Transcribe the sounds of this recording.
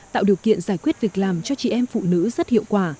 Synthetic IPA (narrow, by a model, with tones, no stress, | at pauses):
t̪a̰ː˧˨wɗi˨˩əwkḭ˧˨ənzaː˧˩jkwi˦˥ət̚vi˨˩ək̚laː˨˩mt͡ɕɔ˧t͡ɕḭ˧˨ʔɛ˧mfṵ˧˨nɨ̰˧˥zə˦˥t̚hḭ˧˨əwkwaː˧˩